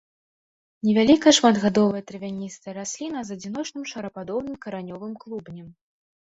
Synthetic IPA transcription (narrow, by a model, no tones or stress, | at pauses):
nʲɛvʲalʲikɐjɐʂmad̪ɣad̪ɔvɨjɐt̪ɾɨvʲanʲist̪ɨɾasʲlʲinɐzɐd͡zʲin̪ɔt͡ʂnɨmʂɐɾɐpad̪ɔwnɨmkɐɾanʲɔvɨmklˠubnʲɛm